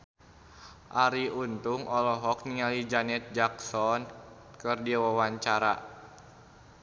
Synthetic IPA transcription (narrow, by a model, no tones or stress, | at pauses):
ʔaɾiunt̪uŋɔlɔɦɔk̚niŋalid͡ʒanɛt̪̚d͡ʒaksɔn | kɨrdiwawaɲt͡ʃaɾa̰